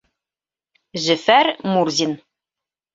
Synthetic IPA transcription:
ʒɘ̆fæɾmurzʲin

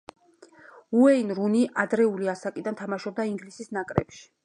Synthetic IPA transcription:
uɛinɾuniʔad̪ɾɛuliasakʼid̪ant̪ʰamaʃɔb̚d̪aiŋɡlisisnakʼɾɛ̰pʃi̥

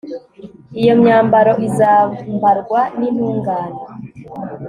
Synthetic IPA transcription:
ijo̞mɲaːmbaɾo̞ʔizaːmbaɾɡwanin̥huːŋɡaːno

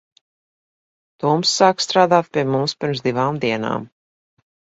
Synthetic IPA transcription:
t̪uːmsːaːkst̪ɾaːd̪aːt̪̚pʲiɛmumspʲiɾmszd̪ivaːmd̪iɛna̰ːm

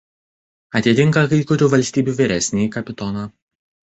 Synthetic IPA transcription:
ɐt̪ʲɪt̪ʲɪŋˑkɐkɐɪkʊɾʲuːʋɐlʲsʲt̪ʲiːbʲuːʋʲɪɾʲɛsʲnʲekɐpʲɪt̪ɔnɑ

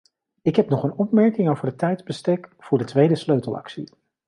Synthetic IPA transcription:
ɪkɦɛpnɔχənɔp̚mɛɹkɪŋowvəɹdətɛjdzbəstɛkv̥ʊːɹdətʋejdəsløɥtəlˠɑ̰ksḭ

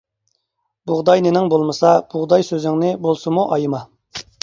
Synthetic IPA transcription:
b̥uʁd̪ɑjnɪnɪŋbolˠmɨsɑb̥ʊʁd̪ɑjsøzɪŋnɪbolˠsɨmuʔɑjɨmɑ

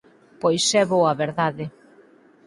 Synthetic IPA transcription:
pojsɛβoɐβeɾðaðɪ

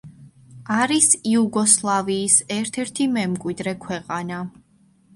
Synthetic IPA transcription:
aɾisiuɡɔslˠaviːsɛɾt̪ʰɛɾt̪ʰimɛmkʼwid̪ɾɛkʰwɛqʼana

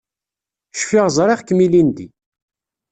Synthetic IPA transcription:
ʃfɪʁzˤɾˤɪʁkːəmilind̪i

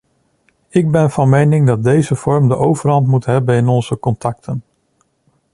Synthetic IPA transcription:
ɪɡ̚bɛnv̥ɑnmejnɪŋdɑt̚dejzəv̥ɔɹmdəʔowvərɦɑntmutɦɛbənɪnɔnz̥əkɔntɑk̚tʰən

